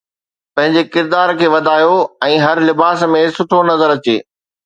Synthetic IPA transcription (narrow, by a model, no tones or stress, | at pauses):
pɐ̃ɦɪ̃ɲd͡ʑekɪɾd̪aːɾkʰeːʋɐd̪ʱaːjoɛ̃ːɦɐɾlɪbaːsmẽsʊʈʰonɐzəɾɐt͡ɕḛː